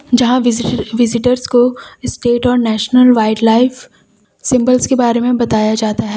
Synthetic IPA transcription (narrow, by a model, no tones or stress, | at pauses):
d͡ʒɐɦãʋɪʋɪzɪʈəɾzkoɪsʈeːʈɔːɾnɛːʃnəlʋaːɪɖlaːɪf | sɪ̃mbəlzkebaːɾemẽbɐt̪aːjad͡ʒaːt̪aɦɛː